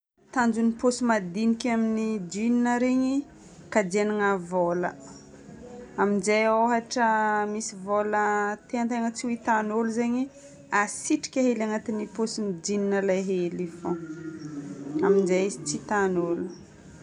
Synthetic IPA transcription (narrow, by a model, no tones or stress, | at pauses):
t̪and͡ʒuniposimad̪inikʲaminid͡ʒininəɾeɲi | kad͡ʒenaŋavolə̰ | aminzejoɦaʈ͡ʂəmisivolət̪eant̪eŋət͡siwit̪anoluzeɲi | asiʈ͡ʂi̥kʲaɦelaŋat̪iniposinid͡ʒininəlaɦelifõ | aminzajst͡sit̪anolu